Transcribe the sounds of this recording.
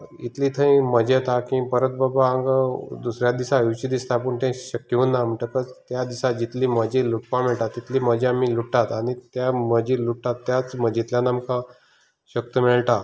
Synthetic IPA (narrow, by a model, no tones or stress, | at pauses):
it̪liːt̪ʰə̃ĩməd͡ʑet̪akĩpəɾət̪̚bəbaaŋɡd̪usɾjad̪isaut͡ɕid̪ist̪apəɳt̪ɛ̃ɕəkːjeunːam̤əɳʈəkəd͡zt̪jad̪isad͡ʑit̪liːməd͡ʑiluʈ̚pameɭʈ̪at̪ːit̪liːməd͡ʑʱiamːiluʈʈːat̪aɽ̃it̪jaməd͡ʑiːluʈːat̪ːjat͡sməd͡ʑit̪ljãnamkã | ɕək̚t̪əmiɭʈ̪a